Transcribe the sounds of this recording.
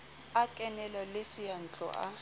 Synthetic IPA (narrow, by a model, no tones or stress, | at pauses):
akʼɛnɛlalesijan̩t͡ɬʼɔ̰ʔa̰